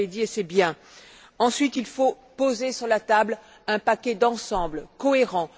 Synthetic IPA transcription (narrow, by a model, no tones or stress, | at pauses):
ed̪iesɛbjɛ̃ | ɑ̃sɥit̪ilfo | pozesyʁlat̪abl | ɛ̃pakʲɛd̪ɑ̃sɑ̃blkɔeʁɑ̃